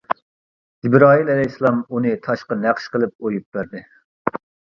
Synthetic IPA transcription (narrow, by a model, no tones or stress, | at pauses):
z̥ibɾɑːɦilɛlɛjslˠɑmunɨt̪ʰɑʃqɑnæqʃqəlˠɨp̚ojup̚bæɾd̪ɪ